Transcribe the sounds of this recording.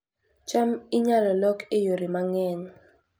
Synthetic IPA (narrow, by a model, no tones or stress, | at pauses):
t͡ʃʼamiɲalɛlɔkʰejoɾimaŋɛːnɔ